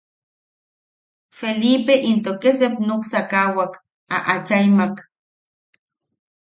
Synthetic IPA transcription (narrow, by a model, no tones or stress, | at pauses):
felipeʔint̪okesepnoksakawak | a̰ʔat͡ʃajmak